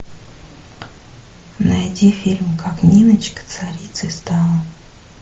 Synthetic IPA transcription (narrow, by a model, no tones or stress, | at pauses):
najdʲifʲilʲmkaknʲinət͡ɕkə̥t̪saɾʲit̪sɨst̪ɑlˠə